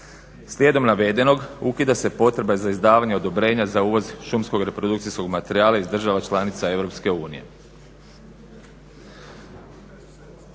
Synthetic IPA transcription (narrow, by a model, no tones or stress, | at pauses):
slʲje̞d̪o̞mnaʋe̞d̪e̞no̞ɡukid̪ase̞po̞t̪ɾe̞bazaizd̪aːʋaɲeo̞d̪o̞bɾe̞ːɲazauːʋo̞zʃumsko̞ɡɾe̞pɾo̞d̪ukt̪sisko̞ɡmat̪e̞ɾiaːlˠaizd̪r̩ʒaʋat͡ʃlˠanit̪sae̞ʋɾo̞pske̞uːnije̞̰